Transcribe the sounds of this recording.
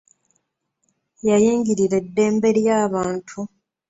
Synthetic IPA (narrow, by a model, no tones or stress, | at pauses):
jajiːŋɡiɾiɾe̞dːe̞ːmbe̞ɾjaːβaːntʰu